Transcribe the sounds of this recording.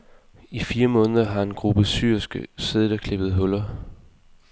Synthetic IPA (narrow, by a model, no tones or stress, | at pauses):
ifiːɐmɔ̽ːnəðˠɐɦɑ̈e̝nɡ̥ʁub̥əsy̰ɐ̰sɡ̥əseðˠdɐkʰle̝b̥ð̞̩ˠɦɔ̽lɐ